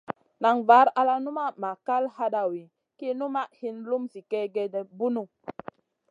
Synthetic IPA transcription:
na˨ŋva˨˦ɾa˦la˦nu˦ma˦ma˨ka˦lha˦ɗa˨wi˨ | ki˦nu˦ma˦ʔhi˦nlu˦msi˨kɛ˦ɡe˦de˨bu˦nu˦

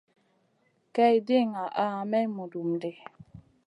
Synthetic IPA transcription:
kɛ˦i˨de˦˨ŋa˨ʔa˦˨mɛ˦mu˨du˨mde˨

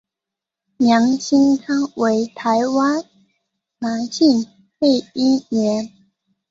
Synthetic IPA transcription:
mjɑ˨˧˥ŋɕi˥ŋkʰa˥ŋwe˧˦ɪt̪ʰa˧˦ɪwa˥n | na˨˥nɕi˥˨ŋ | pe˥˩ɪi˥ɥɛ˨˧˥n

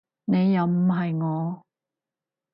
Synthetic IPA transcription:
ne˨˧jːɐ˨˧wm̩˨˩ɦɐ˨jŋɔː˨˧

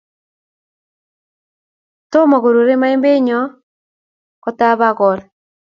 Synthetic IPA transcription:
to˦mɔ˨ɣo˨ɾo˨ɾe˦ma˦e˦mbe˦ɲɔ˦ | kɔ˨ta˦βa˦ɣɔ˨l

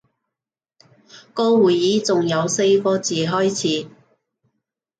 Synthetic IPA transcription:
kɔː˧wuː˨jːiː˨˥t͡sʊ˨ŋjɐ˨˧wse˧jkɔː˧t͡siː˨ɦɔː˥jt͡sʰiː˨˥

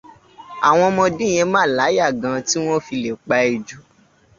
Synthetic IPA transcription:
a˨w̃ɔ̃˧mɔ̃˧dĩ˦˨j̃ɛ̃˧mãː˦˨la˨˦ja˦˨ɡã˨˧ti˦w̃ɔ̃˦fi˧le˨k͡pa˨˧i˧d͡ʒu˨˦

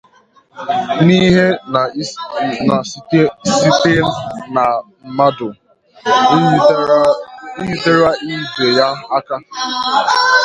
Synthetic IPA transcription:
ni˦ɦe˦ | na˨˦e˦si˦te˦lna˨m̩˨ma˦dʊ˨˦ | ji˨de˦ɾa˦i˦d͡ʒe˨ja˦a˦ka˦

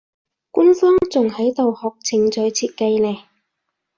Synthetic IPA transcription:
kʷʊ˥nfɔː˥ŋt͡sʊ˨ŋhɐ˨˥jt̪o˨whɔː˨k̚t͡sʰɪ˨ŋt͡sɵ˨˧ɥt͡sʰiː˧t̚kɐ˧jlɛː˨˩

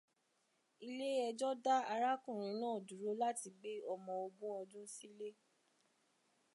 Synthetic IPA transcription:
i˧le˦ɛ˧d͡ʒɔ˦da˦a˧ɾa˦kũ˦˨ɾ̃ĩ˨˦nãː˦˨du˨ɾo˨˦la˦ti˧ɡ͡be˦ɔ˧mɔ̃˧o˧bõ˦ɔ˧d͡ʒũ˦si˦le˦

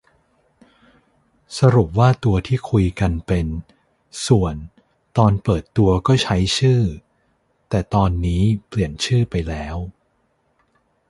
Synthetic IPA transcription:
sa˧ɾu˨˩p̚waː˥˩t̪u˧ɐt̪ʰiː˥˩kʰu˧jka˧npe˧n | su˨˩ən | t̪ɔː˧npɤː˨˩t̪ːu˧ɐkɔː˥˩t͡ɕʰa˦˥jt͡ɕʰɯː˥˩ | t̪ɛː˨˩t̪ɔː˧nːiː˦˥pli˨˩ənt͡ɕʰɯː˥˩pa˧jlɛː˦˥w

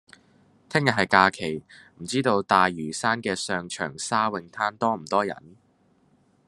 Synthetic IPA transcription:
t̪ʰɪ˥ŋjɐ˨t̚ɦɐ˨jkaː˧kʰe˨˩jm̩˨˩t͡siː˥t̪o˧wt̪aː˨jɥyː˨˩saː˥nkɛː˧sœː˨˧ŋt͡ʃʰœ̰ː˨˩ŋsaː˥wɪ˧ŋt̪ʰaː˥nt̪ɔː˥m̩˨˩t̪ɔː˥jɐ̰˨˩n

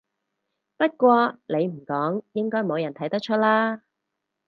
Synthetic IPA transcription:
pɐ˥t̚kʷɔː˧le˨˧jm̩˨˩kɔː˨˥ŋjɪ˥ŋkɔː˥jmo˨˧wjɐ˨˩nt̪ʰɐ˨˥jt̪ɐ˥k̚t͡ʃʰɵ˥t̚laː˥

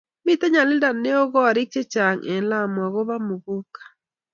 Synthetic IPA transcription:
mi˦tɛ˦ɲa˨li˦da˨ne˦o˦ɣɔ˦a˨ɾi˦t͡ʃe˦t͡ʃa˨ŋʔɛ˨la˦mwa˨ɣo˦βa˦mu˨ɣu˦kḁ˨

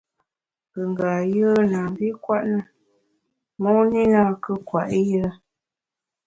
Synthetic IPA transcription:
bə˨ŋ˨ɡa˨jə˦naː˨mbi˦kwa˦ʔnə˦ | mɔ˦ŋni˦na˦˨kə˦kwa˨ʔjɾə˦

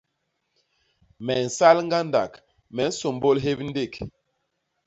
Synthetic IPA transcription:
mɛ˨n̩˨sa˦lŋ˦ɡa˦nda̰˨k | mɛ˨n̩˦so˨mbo˦lɦe˦p̚n̩˦de˦˨k

